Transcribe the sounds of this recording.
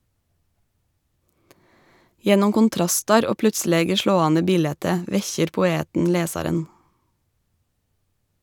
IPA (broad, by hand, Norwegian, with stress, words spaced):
ˈjɛnʊm kʊnˈtɾɑstɑɾ ˈoː ˈplʉtˌsleːɡə ˈʃloːɑːnə ˈbiːlɛtə ˈʋɛçəɾ pʊˈeːtn̩ ˈleːsɑɾən